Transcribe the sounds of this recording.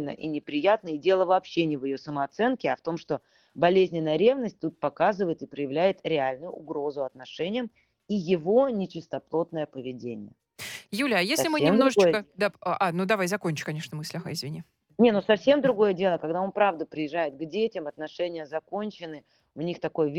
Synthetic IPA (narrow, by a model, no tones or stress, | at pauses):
nə̰ʔḭnʲɪpɾʲɪjat̪̚nəɪdʲe̞lˠəvɐːpɕːenʲɪvɪjo̞səməɐt̪sɛnkʲɪɐft̪o̞mʂt̪o̞ | bɐlʲezʲnʲɪnːəjəɾʲevnəsʲt̚ʲt̪ut̪̚pɐkazɨvəjɪt̪ɨpɾəjɪvlʲæjɪt̪ɾʲɪalʲnʊjʊʊɡɾo̞zʊɐt̪nɐʂɛnʲɪjəm | ijɪvo̞nʲɪt͡ɕɪst̪ɐplˠo̞t̪̚nəjəpəvʲɪdʲenʲɪ̰jə | julʲajeslʲɪmɨsemnd̪ɾʊʐɨojəd̪aʔanud̪ɐvajzɐkonʲt͡ɕʊ̥kɐnʲeʂnəmɨsʲlʲɪxa̰ɪzvʲɪnʲi | nʲenosɐfsʲemd̪ɾʊɡo̞jədʲe̞lˠəkɐɡd̪ao̞npɾavd̪əpɾʲɪjɪʐːajɪt̪̚ɡdʲetʲɪmɐt̪nɐʂɛnʲɪjəzɐko̞nʲt͡ɕɪnːɨ | ʊnʲixt̪ɐko̞jvʲ